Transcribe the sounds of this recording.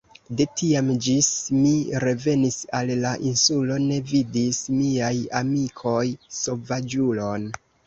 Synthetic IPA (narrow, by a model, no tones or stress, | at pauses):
de̞tʰiamd͡ʒismiɾe̞ve̞nisallaʔinsulo̞ne̞vidismiajamikʰo̞jso̞vad͡ʒulo̞n